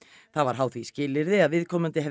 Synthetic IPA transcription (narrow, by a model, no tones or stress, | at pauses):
θaðvaɾ̥ɦawθviscɪːlɪɾðɪaðvɪðkʰɔːmʏnt̪ɪɦɛ